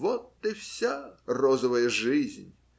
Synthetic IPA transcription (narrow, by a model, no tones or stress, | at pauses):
vɔt̪ːɨfsʲarɔzəvəjəʐizʲnʲ